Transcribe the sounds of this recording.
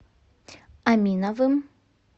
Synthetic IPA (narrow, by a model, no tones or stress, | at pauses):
amʲinavɨm